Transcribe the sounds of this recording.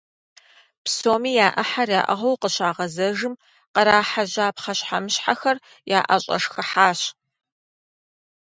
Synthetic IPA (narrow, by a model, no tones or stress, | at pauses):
psoːmiːjaːʔɐħarjaːʔɐ̰ʁɐwqəɕaːʁɐzɐʒɨm | qɐɾaːħaʑaːpχɐɕħamɨɕħaxɐr | jaːʔɐ̰ɕʼɐ̰ʂxɐħaːɕ